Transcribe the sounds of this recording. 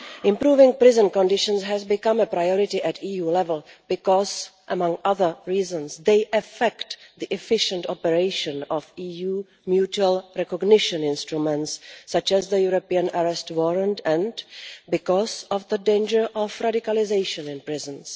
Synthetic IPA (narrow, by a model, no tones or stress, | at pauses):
ʔɪ̃mpɾuːvɪ̃ŋpɾɪzə̃nkɔ̃ndɪʃə̃nsɦɛzbɪkãməpɾajɔɹɪtɪʔɛtiːjuːlɛvəlˠb̥ɪkɔzʔəmãŋaðə˞ɹiːzə̃nsðeɪʔɛfɛktd̪iʔɛfɪʃə̃ntɔpɛɹeɪʃə̃nɔfiːjuː | mjut͡ʃuəlˠɹɛkɔɡnɪʃɔ̃nɪ̃nstɹumɛ̃ntsːat͡ʃɛzðəjuɹopiə̃naɹɛstwɔɹə̃ntɛ̃nbɪkɔzɔvðədẽɪ̃nd͡ʒə˞ʔɔfɹadɪkalɪzeɪʃə̃nɪ̃npɹɪzə̃ns